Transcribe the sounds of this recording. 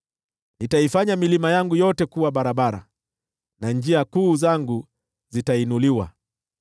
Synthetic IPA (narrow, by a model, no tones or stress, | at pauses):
nitaifaɲamilimajaŋɡujɔtɛkuwaɓaɾaɓaɾa̰ | nand͡ʒiakuːzaŋɡu | zitainuliwa̰